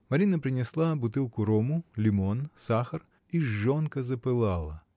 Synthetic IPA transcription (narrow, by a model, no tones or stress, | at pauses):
mɐɾʲinɐpɾʲɪnʲɪslˠabʊt̪ɨlˠkʊɾɔmʊlʲimɔnsaxɐr | iːɔnkɐzɐpɨlˠalˠɐ